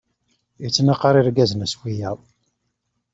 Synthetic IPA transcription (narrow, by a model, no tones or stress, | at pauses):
jit͡sːnaqɑɾˤiɾɡæzənæswijæw